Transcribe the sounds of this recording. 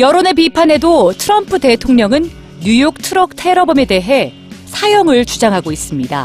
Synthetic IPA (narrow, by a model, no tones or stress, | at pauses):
jʌɾone̞pipʰane̞dotʰɯɾʌmpʰɯde̞tʰoŋɲʌŋɯn | jujok̚tʰɯɾʌk̚tʰe̞ɾʌbʌme̞de̞ɦe̞ | sʰajʌŋɯɭt͡ɕud͡ʑaŋɦaɡois͈ɯmɲida̰